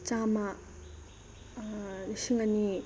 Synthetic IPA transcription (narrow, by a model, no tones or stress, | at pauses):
t͡ʃama | ɕiŋɡani